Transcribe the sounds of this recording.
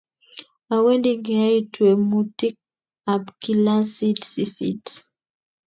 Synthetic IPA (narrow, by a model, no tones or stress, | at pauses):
awɛdiɡejtʰuemutik̚ | abkilasitsisḭts